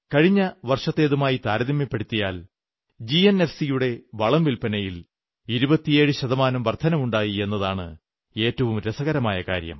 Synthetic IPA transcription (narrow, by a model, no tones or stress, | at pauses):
kɐɻiɲːɐʋɐrʂɐt̪ːe̞ːðumaːjit̪aːɾɐðimjɐpːe̞ɽut̪ːijaːl | d͡ʑiene̞fsijuɽe̞ʋɐɭɐmʋilpɐnɐjil | iɾubɐt̪ːije̞ːɻɨɕɐðɐmaːnɐmʋɐrt̪ʰɐnɐmuɳɖaːjie̞nːɐðaːɳɨ̰ | e̞ːtːɐʋumɾesɐɣɐɾɐmaːjɐkaːɾjɐ̰m